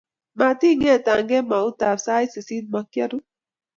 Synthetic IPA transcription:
ma˨ti˦ŋɛ˦˨ta˨ŋɡɛ˦ma˨u˦ta˨sa˦jse˨si˦d̚ma˨˦kja˦ɾu˦

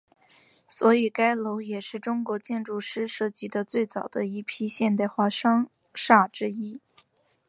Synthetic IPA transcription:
swɔ˧˥i˨˩ka˥ɪlo˧˥ʊjɛ˨˩ʂɻ̩˥˩ʈ͡ʂʊ˥ŋkwɔ˧˥t͡ɕjɛ˥˧nʈ͡ʂu˥˩ʂɻ̩˥ʂɤ˥˩t͡ɕi˧˥d̪ə˧t͡swe˥˩ɪt͡sɑ˨˩ʊd̪ə˦i˥˩pʰi˥ɕjɛ˥˧nt̪a˥˧ɪxwa˥˩ʂɑ˥ŋ | ʂa˥˩ʈ͡ʂɻ̩˥i˥

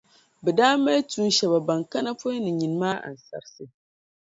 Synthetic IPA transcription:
bɛ˨daː˦ma˦jtu˦n˦ʃɛ˨ba˨ba˨ŋka˦na˦fo˦nɨ˨ɲi˨n˨˦maː˦ʔa̰˨n̩˨sa̰˨ɾsɨ˨

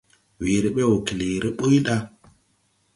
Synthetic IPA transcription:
wi˨ɾi˨ɓe˦wo˨ki˨li˨ɾe˦ɓə˦jɗa˦

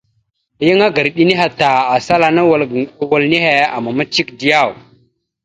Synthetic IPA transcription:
ji˦ŋa˦ɡə˨ɾɗi˦ni˦ɦa˨ta˨a˨sa˦la˨na˦˨wa˨lni˦he˨a̰˨ma˨ma˦t͡ʃi˦kdi˦ja˦˨w

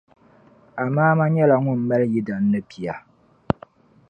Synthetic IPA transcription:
a˨maː˦ma˦ɲɛ˦la˨ŋʊ˦m̩˦˨ma˦lji˦da˨n̩ː˦ɨ˦pi˨a˨

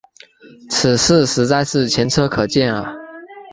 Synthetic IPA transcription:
t͡s̩ʰ˨˩ʂɻ̩˥˩ʂɻ̩˧˥t͡sa˥˧ɪʂɻ̩˥˩t͡ɕʰjɛ˧˥nʈ͡ʂʰɤ˥kʰɤ˨˩t͡ɕjɛ˥˩nlə̰˨˩

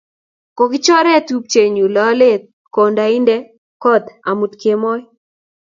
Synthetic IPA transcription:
kɔ˨ɡɪ˦t͡ʃɔ˦ɾɛ˦tu˦p̚t͡ʃe˨ɲu˨lɔ˦le˦ | ko˨nda˨i˦ndɛ˦ | kɔ˦d̪a̰˨mu˨tke˨mɔ˦j

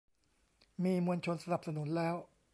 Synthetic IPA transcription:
miː˧mu˧ənt͡ɕʰo˧nsa˧na˨˩p̚sa˧nu˩˦nlɛː˦˥w

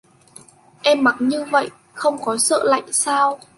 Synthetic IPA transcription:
ʔɛ˧mːa˨˩t̚ɲɨ˧və̰˧˨j | xə˧wŋ͡mkɔ˨˦sə̰ː˧˨la̰˧˨jŋsaː˧w

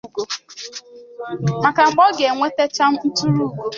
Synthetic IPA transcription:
ɡo˨ | ma˨ka˨ŋ͡m̩˨k͡pɔ˦ɡe˨ŋʷe˦te˦t͡ʃa˦m̩˦n̩˦tu˦ɾu˦˨ɡo˨

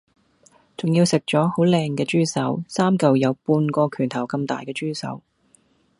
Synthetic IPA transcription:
t͡sʊ˨ŋjiː˧wsɪ˨k̚t͡ʃɔː˨˥ho˨˥wlɛː˧ŋkɛː˧t͡ʃyː˥sɐ˨˥wsaː˥mkɐ˨wjɐ˨˧wpuː˧nkɔː˧kʰyː˨˩nt̪ʰɐ˨˩wkɐ˧mt̪a̰ː˨jkɛː˧t͡ʃyː˥sɐ̰˨˥w

